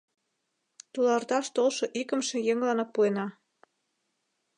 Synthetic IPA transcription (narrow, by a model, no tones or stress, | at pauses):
t̪ulɑrt̪ɑʃt̪olʃoʔikə̆mʃĕjeŋlɑnɤpːuenɑ